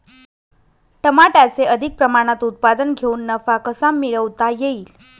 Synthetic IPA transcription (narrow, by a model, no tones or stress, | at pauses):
ʈəmaʈat͡seəd̪ʱik̚pɾəmaɽ̃at̪ut̪̚pad̪ənɡʱeuːnːəfakəsamːiɭəʋt̪ajeiːl